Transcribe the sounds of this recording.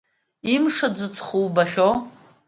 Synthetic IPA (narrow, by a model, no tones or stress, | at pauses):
imʂad͡zʷɨt͡sʰʼχuwbaχʲo